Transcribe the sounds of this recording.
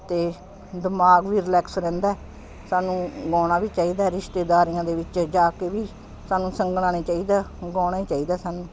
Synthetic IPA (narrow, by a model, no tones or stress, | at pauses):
t̪eː | d̪əmaːɡʋiːɾɪlɛːksɾɛ̃ːnd̪aː | saːnũːɡɔːɽ̃aːʋiːt͡ʃaːiːd̪aːɾɪʃt̪eːd̪aːɾiːãːd̪eːʋɪt͡ʃd͡ʒaːkeːʋiː | saːnũːsəŋɡnãːñeːt͡ʃaːiːd̪aːɡɔːɽ̃aːiːt͡ʃaːiːd̪aːsaːnũː